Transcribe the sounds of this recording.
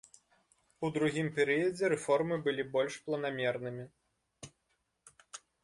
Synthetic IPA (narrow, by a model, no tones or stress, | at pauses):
ud̪ɾuɣʲimpʲɛɾɨjɐd͡zʲɛɾɛfɔrmɨbɨlʲibɔlʲʂplˠɐnamʲɛrnɨmʲi